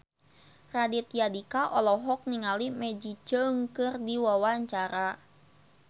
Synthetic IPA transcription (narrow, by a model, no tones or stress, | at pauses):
radit̪̚jadikaʔɔlɔɦɔk̚niŋalimɛd͡ʒid͡ʒəŋkɨrdiwawaɲt͡ʃaɾa